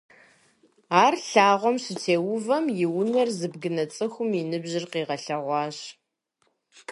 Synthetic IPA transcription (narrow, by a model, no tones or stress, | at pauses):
aːrɬaːʁʷɔmɕɪtʰeːwʊvɐmjɪwʊnɐrzɨbɡɨnɐt͡sʼɨxʷʊminɨbʑɪrqiːʁɐɬɐʁʷɑːɕ